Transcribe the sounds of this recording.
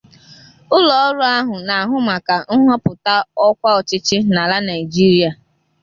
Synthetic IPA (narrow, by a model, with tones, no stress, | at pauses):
ʊ˦lɔ˨ɔ˦ɾʊ˦a˦ɦʊ˨na˨a˨ɦʊ˦ma˨ka˨n̩˦ɦɔ˦pʊ˨ta˦ɔ˦kʷa˦ɔ˨t͡ʃɪ˦t͡ʃɪ˦na˨la˦na˨i˨d͡ʒi˦ɾi˦a˨